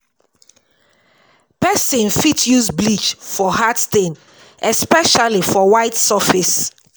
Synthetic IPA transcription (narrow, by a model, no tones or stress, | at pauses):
pɛsĩnfitʰjuzblit͡ʃfɔhatstẽn | ʔɛspɛʃalifɔwaɪtsɔfis